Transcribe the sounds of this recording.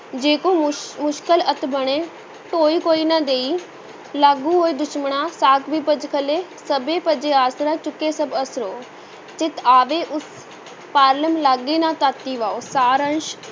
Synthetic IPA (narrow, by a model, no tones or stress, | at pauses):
d͡ʒeːkõːmʊʃkələt̪bəɽeː | ʈoːiːkoːiːnãːd̪eːiː | laɡũːɦoːiːd̪ʊʃməɳãːsaːkʰbiːpəd͡ʒkʰəleːsəbeːpəd͡ʒeːaːsɾaːt͡ʃʊkːeːsəbəsɾoː | t͡ʃɪt̪aːʋeːʔʊs | paːɾləmlaɡːeːnãːt̪at̪ːiːʋaːoːsaːɾənʃ